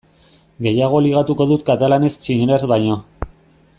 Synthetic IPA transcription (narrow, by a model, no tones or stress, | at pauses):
ɡe̞jaɣ̞o̞liɣ̞at̪uko̞ðut̪̚kat̪alane̞st͡ʃineɾezβajɲo̞